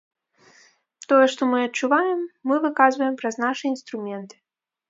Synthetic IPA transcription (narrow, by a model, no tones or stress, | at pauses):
t̪ɔjɛʂt̪ɔmɨɐtt͡ʂːuvajɛmːɨvɨkazvɐjɛmpɾɐznaʂɨinst̪ɾumʲɛnt̪ɨ̥